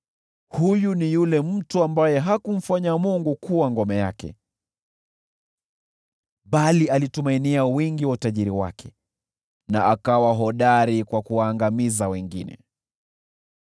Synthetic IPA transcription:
hujunijulɛm̩tuambajɛɦakum̩faɲamuŋɡukuwaŋɡɔmɛjakɛ̰ | ɓalialitumainiawiŋɡiwautaʄiɾiwa̰kʰɛ | na̰ʔakawaɦɔɗaɾikwakuwaːŋɡamizawɛŋɡḭnɛ̰

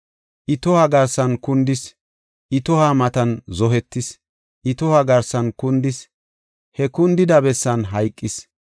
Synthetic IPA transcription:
ʔɪt̪ɔhaɡɐɾsɐnkʊnd̪ɪs | ʔɪt̪ɔhamɐt̪ɐnzɔɦɛt̪ːɪs | ʔɪt̪ɔhaɡɐɾsɐnkʊnd̪ɪs | hɛkʊnd̪ɪd̪ɐbɛsːɐnɦɐjkʼːɪs

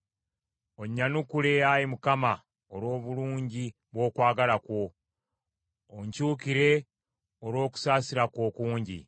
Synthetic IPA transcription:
o̞ɲːanukulejajimukama | oɾo̞ːβuluːɲɟi | βwo̞ːkwaːɡalakwo̞ | ɲcuːkiɾe̞ | oɾwo̞ːku̥saːsiɾako̞ːkuːɲɟḭ

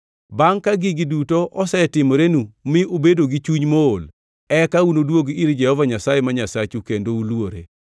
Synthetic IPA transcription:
baŋkaɡɪɡidutoʔɔsɛtɪmoɾenumɪobedoɡit͡ʃuɲmool | ɛkaunodwoɡiɾd͡ʒɛhɔvaɲasajemaɲasat͡ʃukendoulwoɾḛ

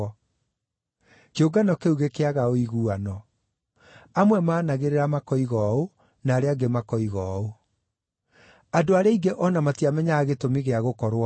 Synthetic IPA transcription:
keoɡanɔkeuɣekeaɣaoiɣuanɔ | amwɛmaːnaɣeɾeɾamakɔiɣɔo | naːɾeaɡemakɔiɣɔo | adoaɾeaiɡeʔɔnamatiamɛɲaːɣetomiɣeaɣokɔɾwa

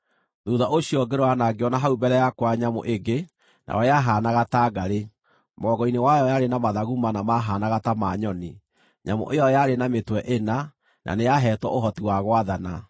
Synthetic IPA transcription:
ðuðaʔoɕiɔɡeɾɔanaɡeɔnaɦaubɛɾɛjakwaɲamo̰ʔeɡe | na̰wɔjaɦaːnaɣataːɡaɾe | mɔɣɔinewajɔjaɾenamaðaɣumanamaɦaːnaɣatamaɲɔni | ɲamo̰ʔejɔjaɾenametwɛʔena | nʔa̰nejaɦɛːtwɔoɦɔtiwaɣwaðana

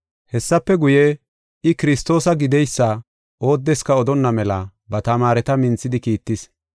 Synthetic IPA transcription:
hɛsːɐpːɛɡʊje | ɪkɪɾɪst̪o̞ːsɐɡɪd̪ɛjsːɐ | ʔo̞ːd̪ːɛskɐɔd̪ɔnːɐmɛlɐ | bɐt̪ɐmaːɾɛt̪ɐmɪnt͡sːɪd̪ɪkiːt̪ːɪs

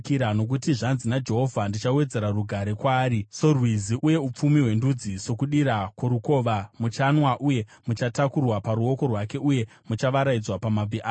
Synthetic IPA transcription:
kiɾano̞k̬utiʐanzinad͡ʒe̞ɦo̞vʱandit͡ʃawe̞d͡ze̞ɾaruɡʱaɾekwaːɾiso̞rwiziʔuje̞up͡fumiɦwe̞ndud͡ziso̞kuɗiɾakwoɾuko̞ːʋamut͡ʃanwaʔuje̞mut͡ʃatakurwapaɾuo̞ko̞rwake̞ʔuje̞ | mut͡ʃaʋaɾaid͡zwapamab͡viʔa

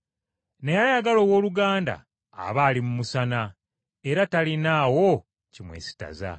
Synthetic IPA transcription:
nejajaɡalo̞ːwo̞ːluɡaːnda̰ː | βaːlimumusana | e̞ɾatalinaːwo | cimwḛsi̥ta̰za̰

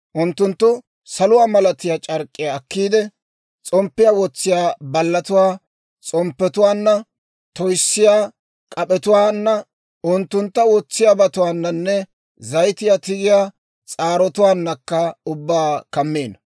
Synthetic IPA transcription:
ʔʊnt̪ːʊnt̪ːʊ | sɐlʊwaːmɐlɐt̪ɪjaːt͡ʃʼɐɾkʼːɪjaːkːiːd̪ɛ | t͡sʼɔmpːɪjawɔt͡sːɪjaːbɐlːɐt̪ʊwaː | t͡sʼɔmpːɛt̪ʊwaːnːɐ | t̪ɔjsːɪjaː | kʼɐpʼɛt̪ʊwaːnːɐ | ʔʊnt̪ːʊnt̪ːɐwɔt͡sːɪjaːbɐt̪ʊwaːnːɐnːɛ | zɐjt̪ɪjat̪ɪɡɪjaː | t͡sʼaːɾɔt̪ʊwaːnːɐkːɐʊbːaːkɐmːeːnɐ

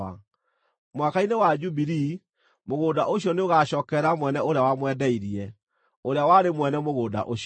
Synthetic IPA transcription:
a̰ | mwakainewad͡ʒubiɾi | moɣoːdaʔoɕiɔneoɣaɕɔːkɛɾamwɛnɛoɾeawamwɛdɛiɾiɛ | oɾeawaɾemwɛnɛmoɣoːda̰ʔoɕ

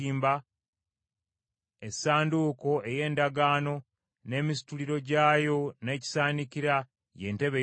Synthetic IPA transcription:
iːmba | esaːnduːko̞e̞je̞ːndaɡaːno̞ | ne̞ːmis̬i̥tuliɾo̞ɟaːjo̞ne̞ːci̥saːniciɾa | je̞̰ːnte̞βe

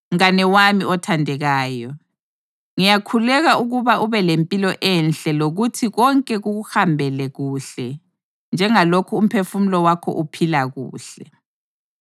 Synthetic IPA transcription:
ŋanɛwamiʔɔtʰandʱɛɣaːjɔ | ŋijakʰulɛɣaʔuɣuβaʔuβɛlempʼilɔʔɛnɬɛloɣutʰiɣɔŋkʼɛɣuɣuhambʱɛlɛɣuːɬɛ | nd͡ʒʱɛŋalokʰuːm̩pʰefum̩lɔwakʰɔ̰ʔupʰilaɣṵːɬɛ

